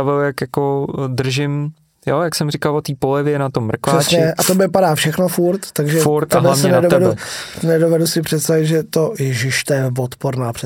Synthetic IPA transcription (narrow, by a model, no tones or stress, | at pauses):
avɪljakjakod̪r̩ʒɪm | jojaksɛmrɪkalvot̪iːpolɪvjɛnat̪omːr̩kvaɛːsɲɛʔat̪obɪpadaːfʃɛxnofuɾt̪ːaɡʒɛfuɾt̪alavsɲɛnɛdoɛdunɛdovɛdusɪpr̥ɛt̪st̪avɪt̪ʒɛt̪ojɛʒɪʃt̪ɛjɛvot̪poɾnaːpr̥ɛ